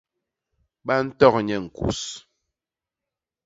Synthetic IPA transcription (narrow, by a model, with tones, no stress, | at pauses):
ɓa˦n̩˦tɔ˦˨kɲɛ˦˨ŋ̩˨kṵ˨s